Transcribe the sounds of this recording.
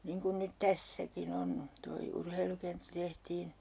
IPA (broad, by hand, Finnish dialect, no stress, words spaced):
niːŋ kun nyt tæsːækin on toi urheilukentːæ tehtiːn